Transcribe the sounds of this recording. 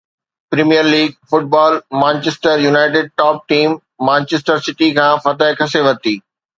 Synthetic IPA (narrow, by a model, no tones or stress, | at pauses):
pɾimijəɾliːɡ̚fʊʈ̚bɔːlmãːnt͡ɕesʈəɾjunaːɪʈ̬ɪɖ̚ʈɔːp̚ʈiːmː | ãːnt͡ɕesʈəɾsɪʈikʰãːfɐt̪əɪkʰɐseʋɐt̪iː